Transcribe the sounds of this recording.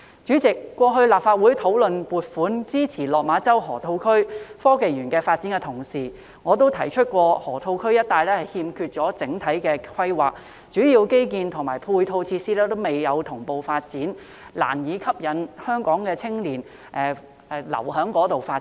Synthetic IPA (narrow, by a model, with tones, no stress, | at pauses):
t͡ʃyː˨˥t͡sɪ˨kːʷɔː˧ɦɵ˧ɥlaː˨p̚faː˧t̚wuː˨˥jt̪ʰo˨˥wlɵ˨npuː˨t̚fuː˨˥nt͡siː˥t͡sʰiː˨˩lɔː˨k̚maː˨˥t͡sɐ˥wɦɔː˨˩t̪ʰo˧wkʰɵ˥ɥfɔː˥ke˨jyː˨˩nkɛː˧faː˧t̚t͡siː˨˥nkɛ˧t̪ʰʊ˨˩ŋsiː˨˩ | ŋɔː˨˧t̪̬o˥wt̪ʰɐ˨˩jt͡ʃʰɵ˥t̚kʷɔː˧hɔː˨˩t̪ʰo˧wkʰɵ˥ɥjɐ˥t̚t̪aː˨jlɛː˥hɐ˨jhiː˧mkʰy˧t̚t͡ʃɔː˨˥t͡sɪ˨˥ŋt̪ʰɐ˨˥jkɛː˧kʰwɐ˥jwaː˨k̚ | t͡ʃyː˨˥ji˧wke˥jk̬iː˧nt̪ʰʊ˨˩ŋmaː˨˩jpʰuː˧jt̪ʰo˧wt͡sʰiː˧t̚siː˥lɛː˥t̪o˥wme˨jːɐ˨˧wt̪ʰʊ˨˩ŋpo˨wfaː˧t̚t͡siː˨˥n | la̰ː˨˩njiː˨˧kʰɐ˥p̚jɐ˨nhœː˥ŋkɔː˨˥ŋkɛː˧t͡sʰɪ˥ŋliː˨˩n | ʔɛː˨ | ɛ˨lɐ̰˨˩whœː˨˥ŋkɔː˨˥t̪o˨wfaː˧